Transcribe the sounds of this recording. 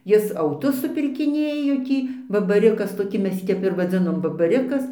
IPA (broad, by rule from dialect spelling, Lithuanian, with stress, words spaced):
ˈjɪs ɐʊˈtʊs sʊpʲɪrʲkʲɪˈnʲeːjoː ˈtʲiː bɐbɐˈrʲɪkɐs toːˈkʲɪ ˈmʲɛs ˈjiː ˈtʲɛp ɪr ʋɐˈd͡zʲɪnoːm bɐbɐˈrʲɪkɐs